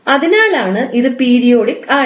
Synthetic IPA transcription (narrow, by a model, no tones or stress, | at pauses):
ɐðinaːlaːɳɨʔiðɨpiːɾijo̞ːɽikːaː